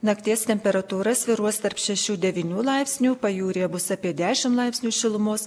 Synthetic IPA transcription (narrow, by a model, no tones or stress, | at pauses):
nɐkt̪ʲiːst̪ʲɛmʲpʲɛɾɐt̪uːɾɐsʋʲɪɾuɔst̪ɐɾpʃʲɛʃʲuːd̪ʲɛʋʲinʲuːlˠɐɪpʲsʲnʲuːpɐjuːɾʲeːbʊsɑːpʲiɛd̪ʲæːʃʲɪmlˠɐɪpʲsʲnʲuːʃʲɪlˠʊmoːs